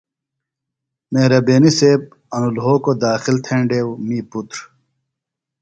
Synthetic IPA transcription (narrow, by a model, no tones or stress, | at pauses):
mehɾɐbeːniseːb̚ | ɐnulɦoːkod̪aːxilt̪ʰeɳɖeːwmiːput̪ɾ